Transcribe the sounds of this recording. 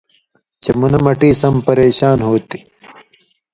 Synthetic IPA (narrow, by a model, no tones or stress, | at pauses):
t͡ɕemunɐmɐʈiːsɐmpɐɾeːɕaːnɦoːt̪i̥